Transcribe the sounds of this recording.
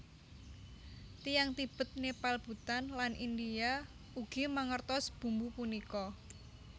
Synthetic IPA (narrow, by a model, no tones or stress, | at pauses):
t̪ijaŋt̪ib̥ə̤t̪̚nepalb̥ṳt̪anlanʔind̪ia | uɡ̥imaŋərt̪ɔsb̥ṳmbupunikɔ